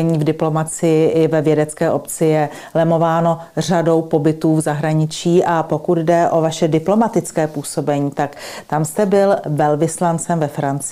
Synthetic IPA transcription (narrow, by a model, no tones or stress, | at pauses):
ɲiːvdɪplo̞mat͡sɪjɪʔɪvɛvjɛdɛt͡skɛːʔo̞pt͡sɪjɛ | lɛmo̞vaːno̞ | r̝ado̞wpo̞bɪt̪uːvzaɦɾaɲɪt͡ʃiːʔapo̞kʊd̪dɛʔo̞vaʃɛdɪplo̞mat̪ɪt͡skɛːpuːso̞bɛɲiːt̪akt̪amst̪ɛbɪlvɛlvɪslant͡sɛmvɛfɾant͡s